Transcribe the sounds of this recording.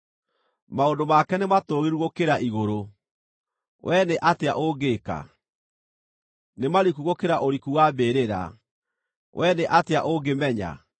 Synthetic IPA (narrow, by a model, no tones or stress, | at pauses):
maondomakɛnematoɣiɾuɣokeɾaʔiɣoɾo | wʔɛneʔateaʔoɡeːka̰ | nemaɾikuɣokeɾaʔoɾikuwabeːɾeɾa̰ | wʔɛneʔateaʔoɡemɛɲa̰